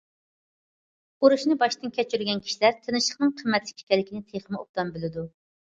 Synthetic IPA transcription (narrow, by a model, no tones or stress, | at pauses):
oɾuʃnɨbɑʃt̪ɨnkʲʰɛt͡ʃyɾyɡʲɛnkʲʰi̥ʃilæɾt̪ʰenɨʃəχnɨŋqʰəmːɛt̪lɪ̥kʲʰi̥kʲɛlɪkʲʰinɪt̪ʰeχəmɨop̚t̪ɑmbylɪd̪u